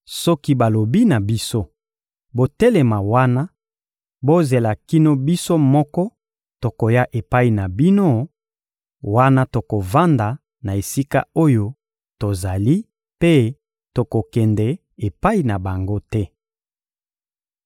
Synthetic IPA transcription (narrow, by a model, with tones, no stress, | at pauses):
sɔ˦ki˦ba˨lo˨bi˦na˨bi˦so˦ | bo˨tɛ˦le˨ma˨wa˦na˦ | bo˦ze˨la˨ki˦no˦bi˦so˦mɔ˦kɔ˦ | to˨ko˨ja˦ʔe˨pa˦i˨na˨bi˦no˦ | wa˦na˦to˨ko˨va˦nda˨ | na˨e˨si˦ka̰˦o˦jo˦ | to˨za˨li˦ | pe˦ | to˨ko˨kɛ˨ndɛ˨ | e˨pa˦i˨na˨ba˨ŋɡo˦tɛ˦